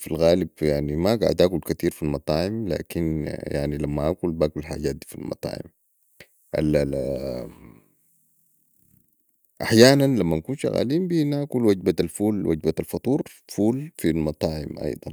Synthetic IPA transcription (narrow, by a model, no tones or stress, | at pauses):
filɣaːlibjaʕnimaɡa̰ʕd̪ʔaːkulkat̪iːɾfilmɑt̪ˤɑːʕimla̰ːkinjaʕnilamːaʔakulbaːkulħa̰ːɟaːt̪̚d̪iːfilmɑ̰t̪ˤɑ̰ːʕḭm | ʔa̰l | ʔaħjaːnanlamːankuːnʃa̰ɣa̰ːliːmbinaːkulwaɟ̚baalfuːlwa̰ɟbaalfɑt̪ˤuːɾ | fuːlfilmɑt̪ˤɑːʕḭmʔɑ̰jd̪ˤɑn